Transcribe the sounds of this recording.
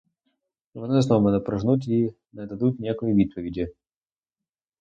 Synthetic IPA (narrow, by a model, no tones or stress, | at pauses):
vɐnosnomənəpɾɐʐnut̪̬ʲi | nəd̪ɐd̪ut̪ʲnʲekəjəvʲit̪̚pəvʲɪdʲɪ